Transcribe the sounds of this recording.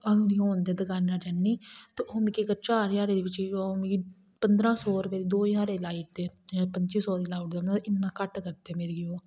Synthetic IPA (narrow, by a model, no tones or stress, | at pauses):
ənũːd̪iːɦoːnd̪eːd̪əkaːnːãːd͡ʒənːiːt̪eːʔoːmẽkikəɾt͡ʃaːɾjaːɾeːd̪eːʋɪt͡ʃomki | pənd̪ɾãːsɔːɾpɛːd̪iːd̪oːjaːɾeːlaːiʈ̚d̪eːpəɲt͡ʃiːsɔːd̪iːlaːʈd̪eːm̃ːɪnːãːkəʈkəɾt̪ɛːmeːɾiːoː